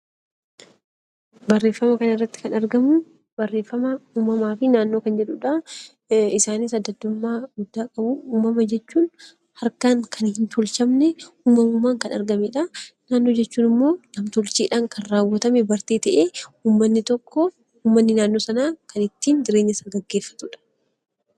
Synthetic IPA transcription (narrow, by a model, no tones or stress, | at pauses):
bɐrːe̞ːfːɐmɐkɐnɪrːɐt̪ːɪ̥kɐnɐɾɡɐmʊ | bɐrːe̞ːfːɐmɐuːmɐmaːfɪnaːnːo̞ːkɐnd͡ʒɛᶑʊᶑɐ | ɪsaːniːsɐd̪ːɐd̪ːʊmːaːɡʊd̪ːaːkʼɐbʊuːmɐmɐd͡ʒɛt͡ʃːuːn | hɐɾkaːŋkʰɐnhɪnt̪ɔlt͡ʃɐmnɛuːmɐmʊmaːŋkɐnɐ̰ɾɡɐmɛᶑɐnaːnːo̞ːd͡ʒɛt͡ʃːuːnɪmːoːnɐmt̪ɔlt͡ʃiːᶑaːŋkʰɐnraːwːɐt̪ɐmɛbɐɾt̪eːt̪ɐʔeːuːmːɐnːɪt̪ɔkːɔ | uːmːɐnːɪnaːnːoːsɐnaːkʰɐnɪt̪ːiːnd̪ɪɾeːɲːɐsɐɡɐɡːe̞ːfːɐ̥t̪ʊᶑɐ̥